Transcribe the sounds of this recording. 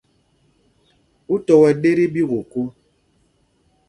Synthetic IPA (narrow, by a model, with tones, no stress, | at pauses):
u˦tɔ˨wɛ˨ɗe˦ɾi˦bi˦ɣo˨ko˦